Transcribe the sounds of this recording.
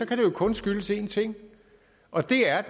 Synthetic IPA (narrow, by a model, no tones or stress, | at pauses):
ɒ̽kʰæɾ̥e̝jo̝kʰɔ̽nsɡ̥yləse̝ːnt͡sʰe̝ŋ̰ | ʔɒ̽d̥e̝æɐ